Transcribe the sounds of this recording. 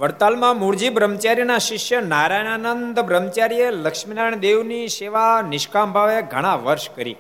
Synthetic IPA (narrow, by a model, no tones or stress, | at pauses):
ʋəɾt̪almãmuɽd͡ʒibɾəmt͡ʃaɾjənaʃɪʃjənaɾajnanənd̪bɾəmt͡ʃaɾijeləkʃminaɳ̃d̪eʋniʃeʋanɪʃkambʱaʋeɡʱəɽ̃ãʋəɾʃkəɾḭ